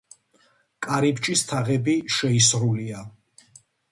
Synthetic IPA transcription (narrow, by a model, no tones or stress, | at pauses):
kʼaɾip̚t͡ʃʼist̪ʰaʁɛbiʃɛisɾulia